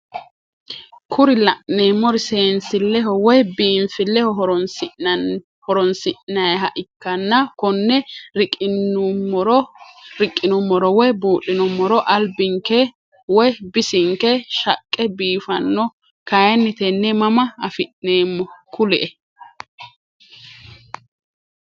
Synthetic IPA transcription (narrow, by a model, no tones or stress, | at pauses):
kʰʊɾɪlɐʔneːmːɔɾɪseːnsɪlːɛɦɔwɔjbiːɱfɪlːɛhɔɦɔɾɔnɪ | hɔɾɔnsɪʔnɐjɦɐʔɪkːɐnːɐkɔnːɛɾʼ | ɾɾɪkʼːɪnʊmːɔɾɔwɔjbuːʔɪnʊmːɔɾɔʔɐlbɪŋkɛ | wɔjbɪsɪŋkɛʃɐkʼːɛbiːfɐnːɔ | kɐjɛnːɪt̪ɛnːɛmɐmɐɐfɪʔneːmːɔkʊlɛʔɛ